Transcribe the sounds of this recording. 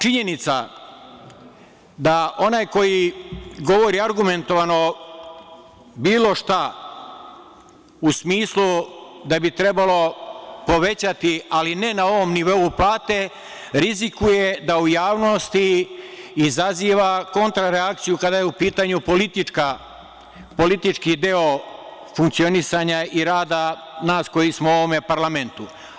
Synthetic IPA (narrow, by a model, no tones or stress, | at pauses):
t͡ʃiɲe̞nit̪sa̰ | d̪aʔo̞najko̞jiɡo̞ʋo̞ɾiaɾɡume̞nt̪o̞ʋano̞ | biːlˠo̞ʃt̪a | usmiːslud̪abit̪ɾe̞balo̞po̞ʋe̞t͡ɕat̪ialine̞nao̞ʋo̞mniʋo̞uplaːt̪e̞ | ɾizikuje̞d̪aujaːʋno̞st̪iː | zaziːʋako̞nt̪ɾaɾeak̚t̪sijukad̪ajeupiːt̪aɲupolit̪ika | po̞lit̪it͡ʃkid̪e̞o̞fuŋk̚t̪sio̞nisaɲaiɾaːd̪a | naːsko̞jismooʋo̞me̞paɾlame̞nt̪u